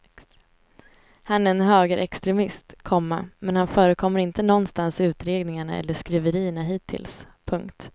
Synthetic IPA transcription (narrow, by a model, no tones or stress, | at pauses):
hanæɾɛnɦøːɡəɾʔɛkst̪ɾɛmɪst̪kʰɔmːamɛnhanfœːɾəkʰɔmːəɾɪnt̪ənɔnːst̪ansʉ̟ːt̪ɾeːɡnɪŋaɳa̰ɛ̰lːəʂkɾiːvəɾiːəɳaɦiːt̪ʰːɪ̰ls | pʰɵŋkt̪